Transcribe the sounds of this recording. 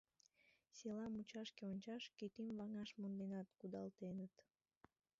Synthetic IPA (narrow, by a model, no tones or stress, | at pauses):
selɑmut͡ɕɑʃkeonʲt͡ɕɑʃkit̪imvɑŋɑʃmond̪enɑt̪kud̪ɑlt̪enət̪